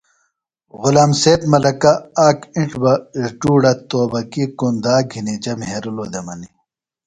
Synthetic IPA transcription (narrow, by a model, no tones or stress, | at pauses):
ɣʊlaːmseːt̪mɐlɐkaaːkiɳʈbɐzʈuːɽɐt̪oːbɐkikond̪aːɡʱinid͡ʑɐmɦeɾuloːd̪emɐni